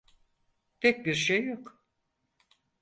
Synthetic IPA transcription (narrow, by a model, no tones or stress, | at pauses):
t̪ʰɛc̚biɾʃejːok